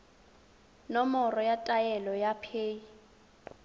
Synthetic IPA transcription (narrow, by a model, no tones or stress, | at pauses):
nɔmɔrɔjatʼajɛlɔjapʰeːi